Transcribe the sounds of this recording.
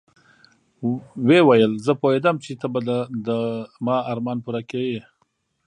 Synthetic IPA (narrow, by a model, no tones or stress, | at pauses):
wewajəlzəpoɦed̪amt͡ʃet̪abad̪əd̪əmɑɑɾmɑnpuɾakewe